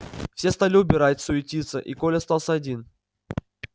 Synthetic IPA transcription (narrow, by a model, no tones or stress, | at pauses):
fsʲe̞st̪alʲɪʊbʲɪɾatʲsʊɪtʲit̪sə̰ʔikolʲɪɐst̪alˠsʲəɐdʲin